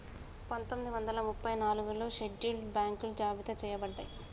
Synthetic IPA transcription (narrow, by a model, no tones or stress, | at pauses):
pɐnt̪omid̪iʋɐnd̪ɐlɐmupːɐjnaːluɡuloːʃeɖːiːlbaːŋkulud͡ʒaːbit̪ɐt͡ʃɛːjɐbɐɖːɐji